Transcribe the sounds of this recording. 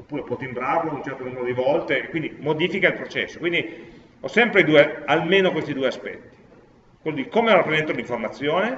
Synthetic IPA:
opːuːɾepwɔt̪imbɾavoanunt͡ʃɛɾt̪onumeɾod̪ivɔlt̪eːkːwind̪imod̪iːfikailpɾot͡ʃɛsːokwind̪i | ɔsːɛmpɾeid̪uːealmeːnokwest̪id̪uːeaspɛ̰t̪ːi̥ | kwelːod̪ikomeɔrapːɾezɛnt̪oliɱformat̪sːjoːne

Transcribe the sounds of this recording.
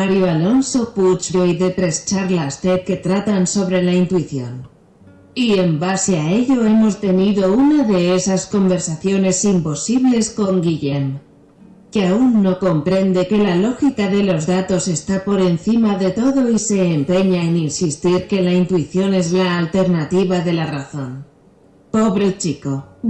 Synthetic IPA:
maɾjoalo̞nso̞put͡ʃɾojðe̞t̪ɾe̞st͡ʃaɾlast̪e̞t̪̚ke̞t̪ɾat̪anso̞βɾe̞laint̪wiθjo̞̰n | ie̞mbaseae̞ʎo̞e̞mo̞st̪e̞niðo̞unaðe̞esasko̞mbe̞ɾsaθjo̞ne̞simpo̞siβle̞sko̞ŋɡiʎem | keaunːo̞ko̞mpɾe̞nd̪e̞ke̞lalo̞xikaðe̞lo̞zðat̪o̞se̞st̪apo̞ɾe̞nθimaðe̞t̪o̞ðo̞ise̞ːmpe̞ɲaeninsist̪iɾke̞laint̪uiθjo̞ne̞zlaːlt̪e̞ɾnat̪iβaðe̞laraθo̞n | po̞βɾe̞t͡ʃiko̞

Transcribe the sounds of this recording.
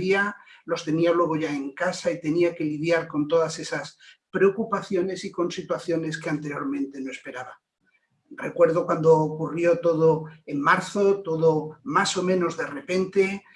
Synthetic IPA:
ialo̞st̪e̞nialwe̞ɣ̞oʝae̞ŋkasait̪e̞niake̞lið̞jaɾko̞nt̪̬o̞ðase̞saspɾe̞okupaθjo̞ne̞siko̞nsit̪waθjo̞ne̞ske̞ant̪e̞ɾjo̞ɾmẽnt̪e̞noe̞spe̞ɾaβa | re̞̰kwe̞ɾð̞o̞kwand̪o̞ːkurjo̞t̪o̞ðoe̞nmaɾθo̞t̪o̞ðomaso̞mẽno̞zðe̞re̞pe̞nt̪e̞

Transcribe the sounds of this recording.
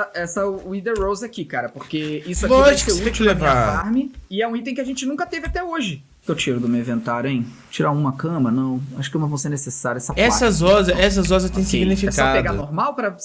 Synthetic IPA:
ɐɛsɐʊːid̪eɾowzakikaɾɐpoɾkeisʊʊaloʃkseẽt͡ʃkɪlevasaɾmɪɪɛũit̪̬ẽkɪaʒẽnt͡ʃɪnũkɐt̪evɪat̪ɛoʒɪ | kewt͡ʃiɾʊd̪ʊmewĩvẽnt̪aɾjʊẽj̃ | t͡ʃiɾaũmɐkɐ̃mɐnɐ̃w̃aʃʊ̥kɪũmɐ̃vɐ̃w̃seɾnesesaɾʊɐɛsɐɛsɐzɔzɐɛs̬ɐzɔzɐt̪ẽj̃siɡnifikapedɡanoɾmawpɾɐ

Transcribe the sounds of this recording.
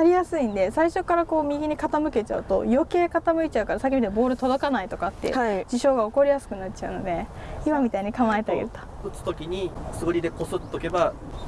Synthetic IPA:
naɾʲijasɨĩnd̪e̞saiɕo̞kːaɾako̞ːmʲiɡʲiɲ̟ikat̪amɯ̟ke̞t͡ɕa̰ɯ̟t̪o̞̰jo̞ke̞ːkat̪amɯ̟it͡ɕaɯ̟kaɾasak̬ʲemʲit̪abo̞ːɾɯ̟t̪od̪o̞kanait̪o̞kat̪ːḛaid͡ʑiɕo̞ːɡao̞ko̞ɾʲijasɨ̥kɯ̟natt͡ɕaɯ̟no̞̰d̪e̞imamʲit̪aiɲ̟ikãmaet̪aɡḛɾɯt̪o̥ɯ̟t͡sɨ̥t̪o̞kʲiɲ̟isɨɡɯɾʲid̪e̞ko̞sɨt̪ːoke̞ba

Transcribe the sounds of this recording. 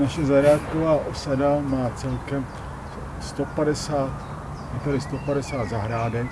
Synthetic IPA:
naʃɛzaɦɾaːt̪kovaːʔosadamaːt͡sɛlkɛm | st̪opadɛsaːt̪ | at̪aɾɪst̪opadɛsaːt̪zaɦɾaːdɛk

